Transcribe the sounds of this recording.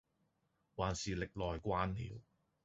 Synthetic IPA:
waː˨˩nsiː˨lɪ˨k̚lɔː˨jkʷaː˧˥nlḭː˨w

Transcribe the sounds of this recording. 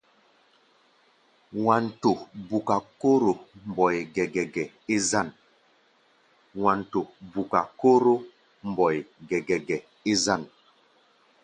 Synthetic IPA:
wa˨nto˨bu˨ka˨ko˦ɾo˨m˨bɔ˨jɡɛ˨ɡɛ˨ɡɛ˨ | i˦za˦˨n | wa˨nto˨bu˨ka˨ko˦ɾo˦ | m˨bɔ˨jɡɛ˨ɡɛ˨ɡɛ˨ | i˦za˦˨n

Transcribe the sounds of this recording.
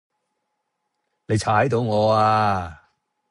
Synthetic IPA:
ne˨˧jt͡ʃʰaː˨˥jt̪o˧wŋɔː˨˧aː˧

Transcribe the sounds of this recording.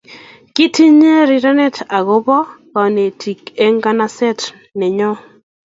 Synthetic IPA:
ki˦ti˦ɲe˦ɾi˨ɾa˦nɛ˦ta˨ɡo˦bɔ˦kɔ˨ne˨tʰi˨ke˦ŋɡa˦na˦sɛ˦t | nɛ˨ɲɔ˦

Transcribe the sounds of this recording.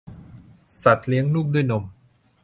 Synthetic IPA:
sa˨˩t̪̚li˦əŋluː˥˩k̚du˥˩jno˧m

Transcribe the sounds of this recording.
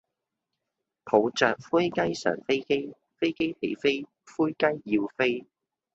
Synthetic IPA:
pʰo˨˧wt͡sœː˨k̚fuː˥jkɐ˥jsœ̰ː˨˩nfe˥jke˥j | fe˥jke˥jpʰḛ˨˥˩jfe˥j | fuː˥jkɐ˥jːi˧wfe˥j

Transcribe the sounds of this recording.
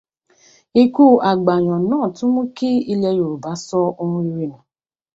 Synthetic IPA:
i˦ku˦ʔa˨ɡ͡ba˨ɲɔ̃˨nãː˦˨tʊ˦mũ˦ke˦i˦le˧jo˨ɾu˨ba˨˦sɔ˦o˦ŋũ˦i˦ɾi˦mũ˨

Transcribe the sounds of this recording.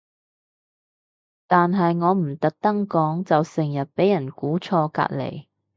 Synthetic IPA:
t̪aː˨nɦɐ˨jŋɔː˨˧m̩˨˩t̪ɐ˨k̚t̪ɐ˥ŋkɔː˨˥ŋt͡sɐ˨wsɪ˨˩ŋjɐ˨t̚pe˨˥jɐ˨˩nkuː˨˥t͡sʰɔː˧ka̰ː˧t̚lḛ˨˩j

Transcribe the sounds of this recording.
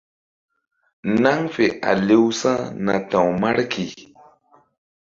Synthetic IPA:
na˦ŋfɪ˨ʔa̰˨li˦wsa˦na˨t̪a˨wma˦ɽki˨

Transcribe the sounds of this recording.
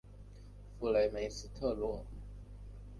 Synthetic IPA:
fu˧˩la˨˩ma˨˥˦si˧˩t̪ʰɤ˥˧˩lu˧˥

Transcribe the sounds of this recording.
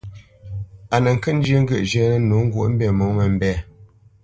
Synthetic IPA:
a˨nə˨ŋ̩˨kə˦˨n̩˦d͡ʒə˦ŋ̩˦ɡə˦˨ʔd͡ʒə˦nə˦no˨˦ŋ̩˦ɡwṵ˦ʔm̩˦bɛ˦˨mo˨˦ŋə˨m̩˦bɛ˦˨

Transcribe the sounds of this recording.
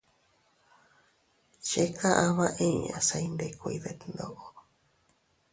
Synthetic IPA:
ʃe˦ka˦ʔã˧βã˦ʔĩ˦˨ã̰˨sa˧i˧nd̪e˧ko˧i˧ðe˧˨t̪nd̪o˦ʔo˨

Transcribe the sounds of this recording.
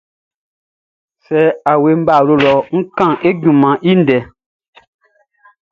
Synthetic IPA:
sɛ˨˦a˨we˨m̩˦ba˨lo˧˨lɔ˨ŋ̩˦kã˦˨e˦ɡũ˨mã˨ʔi˦n̩˦dɛ˨˦

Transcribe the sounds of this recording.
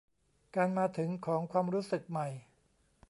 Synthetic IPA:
kaː˧nmaː˧t̪ʰɯ˩˦ŋkʰɔː˩˦ŋkʰwaː˧mɾuː˦˥sɯ˨˩k̚ma˨˩j

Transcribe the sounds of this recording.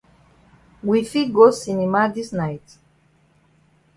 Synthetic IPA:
wi˨fi˦ɡo˦si˨nimadi˦snajt

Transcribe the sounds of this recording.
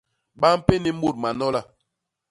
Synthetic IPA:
ba˦m̩˦pe˦ni˦m̩˦bu˦t̚ma˨nɔ˦la˦˨

